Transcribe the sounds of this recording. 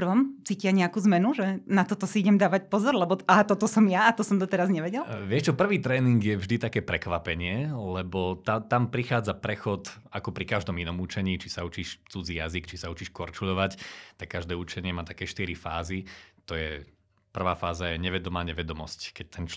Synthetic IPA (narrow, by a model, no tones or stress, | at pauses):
ʋɔmt͡siːcɪaɲɛakuːzmɛnuʒɛnat̪ɔt̪ɔsiiɟɛmd̪aːʋac̚pɔzɔɾlɛbɔat̪ɔt̪ɔsɔmjaat̪ɔsɔmd̪ɔt̪ɛɾazɲɛʋɛɟɛlʋɪɛʃt͡ʃɔpr̩ʋiːt̪ɾɛːniŋɡjɛvʒd̪it̪akɛːpɾɛkʋapɛɲɪɛlɛbɔt̪at̪ampɾixaːd͡zapɾɛxɔt̪ | akɔpɾikaʒd̪ɔminɔmut͡ʃɛɲiːt͡ʃisaut͡ʃiːʃt͡sud͡ziːjazikt͡ʃisaut͡ʃiːʃkɔɾt͡ʃuʎɔʋact̪akːaʒd̪ɛːut͡ʃɛɲɪɛmaːt̪akɛːʃt̪iɾifa̰ːzit̪ɔjɛ | pr̩ʋaːfaːzajɛɲɛʋɛd̪ɔmaːɲɛʋɛd̪ɔmɔsckɛc̚t̪ɛnt͡ʃ